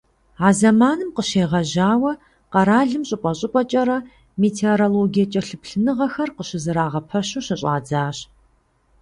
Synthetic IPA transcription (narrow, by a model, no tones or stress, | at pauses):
aːzɐmaːnɨmqəʃeːʁɐʑaːwɐ | qɐɾaːɮɨmɕʼɪpʼɐɕʼɪpʷʼɔt͡ʃʼɐɾɐ | meːtʰeoɾoloːɡijɐt͡ʃʼɐɬɨpɬɨnɨʁɐxɐrqəɕɪzɨɾaːʁɐpʰɐɕuɕɪɕʼa̰ːd͡zaːɕ